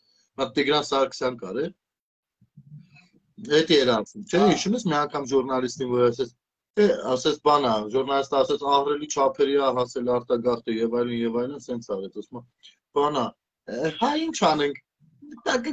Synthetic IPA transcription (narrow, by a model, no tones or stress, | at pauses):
mɑt̪iɡɾɑnsɑɾkʰə̥sjɑnkɑɾɛ | hɛt̪iɛɾɑnt͡sʰumt͡ʃʰɛɦiʃumɛsmiɑŋkʰɑmʒurnɑlist̪invɔɾɑsɛt͡sʰ | ɛɑsɛt͡sʰbɑnɑʒuɾnɑlist̪əɑsɛt͡sʰɑhrɛlit͡ʃʰɑpʰɛɾiɑɦɑsɛlɑɾt̪ɑɡɑχt̪əjɛvɑjlənjɛvɑjlənsɛnt͡sʰɑɾɛt͡s̪ɑsumɑ | b̥ɑnɑ | hɑint͡ʃʰɑnɛŋkʰ | t̪ɑk